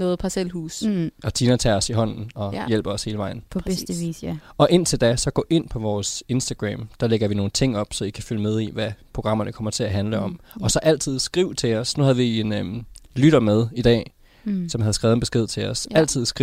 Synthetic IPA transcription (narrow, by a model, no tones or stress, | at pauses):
nɔːð̩ˠpʰɑselhuːst͡sʰiːnɐt͡sʰæɒ̽siɦɒ̽n̰n̩ɒ̽jel̰b̥ɒ̽she̝ːləʋɑ̈ɪ̰n̩pʰdiɒ̽ʔe̝n̰t͡sʰe̝ld̥æsɒ̽ɡ̥ɔ̰̽ːʔe̝n̰pʰɒ̽ʋɒːse̝nsd̥æɡ̥ʁɛ̰ːmd̥æleɡ̥ɐʋino̝ːn̩t͡sʰe̝ŋ̰ɒ̽b̥sɒ̽ikʰæfyləmeð̞ˠiʋæpʰʁo̝ɡ̥ʁɑ̈m̰ɐnəkʰɒ̽m̰ɐt͡sʰe̝æɦænləɒ̽mɒ̽sɒ̽ʔæl̰t͡sʰið̞̰ˠsɡ̥ʁiʊ̰t͡sʰe̝ɒsnuhæðˠʋie̝nlyɾ̥ɐmeð̞ˠid̥ɛ̰ː | sɒ̽mhæð̞ˠsɡ̥ʁɛːðˠn̩b̥e̝sɡ̥e̝ð̞̰ˠt͡sʰe̝ɒ̽sæl̰t͡sʰið̞̰ˠsɡ̥ʁi